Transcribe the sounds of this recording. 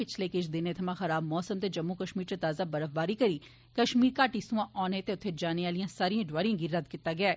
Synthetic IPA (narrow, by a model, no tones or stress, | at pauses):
pɪt͡ʃʰleːkɪt͡ʃʰd̪ɪnẽːt̪ʰɐmãːxəɾaːbmɔːsəmt̪eːd͡ʒəmːuːkəʃmiːɾt̪ət̪aːzaːbəɾəfbaːɾiːkəɾiː | kəʃmiːɾkaːʈisũãːʔɔːnẽːt̪eːʊt̪ʰːeːd͡ʒaːneːaːlijãːsaːɾijãːɖʋaːɾĩãːɡiːɾəd̪kɪt̪ːaːɡɪaː